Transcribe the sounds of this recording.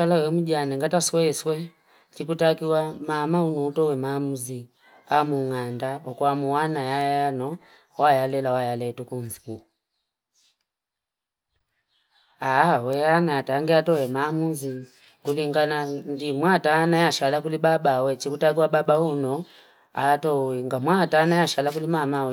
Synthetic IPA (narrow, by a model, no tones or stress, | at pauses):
alawɛmud͡ʒanɛŋɡatasɔɛswɛ | t͡ʃikutakiwamamaunɔutɔwɛmaːmuzi | amuŋandaɔkuamuwanajajajanɔ | wajalɛlawajalɛtukunziku | awɛanaataŋɡiatɔwɛmaːmuzi | kuliŋɡanandimwataːnajaʃalakulibabawɛt͡ʃikutak̬iwaɓabahunɔ | atɔwɛŋɡamwataːnajaʃalakulimama